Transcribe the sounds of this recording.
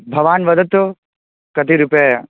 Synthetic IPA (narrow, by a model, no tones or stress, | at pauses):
bʱɐʋaːnʋɐd̪ət̪ː | kɐt̪iɾʊpa